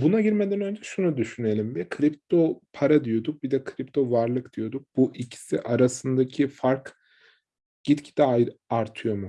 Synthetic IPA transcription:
bunaɟiɾmɛd̪ænø̞nd͡ʒɛʃunud̪yʃyne̞lʲimbɛkʰɾipt̪ʰo̞pʰaɾad̪ijo̞d̪uk̚bid̪ɛkʰɾipt̪ʰo̞vaɾlˠɯkd̪̥ijo̞d̪uk̚b̥uʔicʰi̥siʔaɾasɯnd̪acʰifaɾk | ɟ̥it̪cʰi̥d̪ɛaɾt̪ʰɯjo̞mu

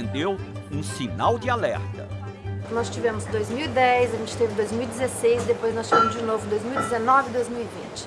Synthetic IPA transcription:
nd̪ew | ũsinawd͡ʒɪalɛ̰ɾt̪ɐ̰ | nɔst͡ʃivẽmʊzd̪ojzmiwid̪ɛjzɐʒẽnt͡ʃɪ̥t̪evɪd̪ojzmiwid͡ʒɪzesejzd̪epojznɔsʃt͡ʃivẽmʊzd͡ʒɪnovʊd̪ojzmiuwid͡ʒɪzenɔvɪid̪ojzmiwivĩnt͡ʃɪ̥

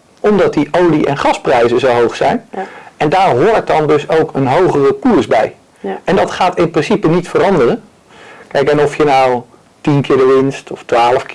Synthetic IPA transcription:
ɔmdɑt̚diʔowliʔɛ̰nχɑsprɛjzəzowɦowχsɛjnɛndaːɹɦoːɹt̚dɑndɵsowkʰənɦowχərəpusbɛj | ɛndɑtχaːtɪnprɪnsipənitfərɑndərən | kɛjkɛnɔfjənaw | tinkɪːɹdəɹʋɪnstɔftʋaːləfk

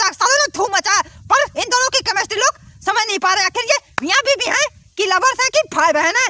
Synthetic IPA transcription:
asaleloːɡ̚d̪ʱuːmə̃t͡ʃaːepɐɾɪnd̪oːnõkikɐmeːsʈɾiloːɡsɐməjnɐɦĩpaːɾekʰɪɾjemijãbʱibʱiɦɛ̃kilɐbəɾsɛ̃kipʰaːjbɛɦɛnɛ̃ː

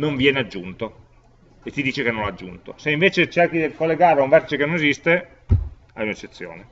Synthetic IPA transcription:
noɱvjɛːnead͡ʒːunt̪o | et̪ːid̪iːt͡ʃekenːõnad͡ʒːṵnt̪o̰seiɱveːt͡ʃet͡ʃerkid̪ikolːeɡaɾuɱvɛrt̪it͡ʃekenonezist̪e | a̰junet͡ʃːet̪sːjo̰ːne

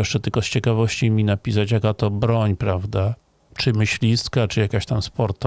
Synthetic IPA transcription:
ɛʂt͡ʂɛt̪ɘlkɔst͡ɕɛkavɔɕt͡ɕimʲinapʲis̬at͡ɕjakat̪ɔbɾɔɲpɾavd̪a | t͡ʂɘmɘɕlʲist̪kat͡ʂɨjakaɕt̪amspɔɾt̪ɔ

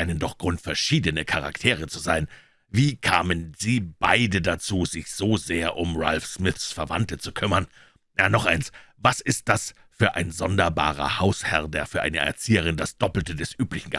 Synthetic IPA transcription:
ʔaɪnəndɔχɡ̥ʁʊntfɛɐʃiːdənəkʰaʁa̰ktʰeːʁ̞ət͡suzaɪn | viːkʰaːmənz̥iːba̰ɪdədat͡suːzɪçz̥oːzeːɐʔʊmʁalfʃmɪθsfɛɐva̰ntət͡sukʰʏmɐn | jaːnɔχʔaɪnsvasɪst̚d̥as | fyːɐʔa̰ɪnzɔndɐba̰ːʁ̞ɐ̰haʊshɛʁdeːɐfyːɐʔaɪnəʔɛ̰ɐt͡siːəʁ̞ɪndasd̥ɔpl̩tədɛsʔyːplɪçn̩ɡə

